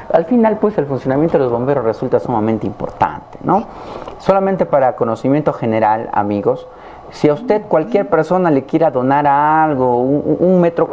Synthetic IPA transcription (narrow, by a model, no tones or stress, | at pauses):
alfinalpwe̞selfunsjo̞namjent̪oelozβo̞mbe̞ɾozresult̪asumamẽnt̪eimpo̞̰ɾt̪a̰nt̪eno | so̞lament̪e̞paɾako̞no̞simje̞nt̪oxe̞neɾala̰miɣo̞sː | iaust̪e̞ðkwalkje̞ɾpe̞ɾso̞nale̞kje̞ɾaðo̞naɾalɣouŋmet̪ɾo